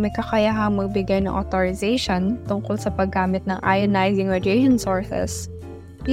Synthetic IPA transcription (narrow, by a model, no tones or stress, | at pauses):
mɐkɐkɐjaɦɐŋmɐɡ̚bɪɡajnɐ̰ŋʔot̪oɹɪzɛjʃont̪ʊŋkolsɐpɐɡːaːmɪt̪̚nɐŋʔa̰jɐnajzɪŋmɛd̪ejʃonsoɹsɛ̰s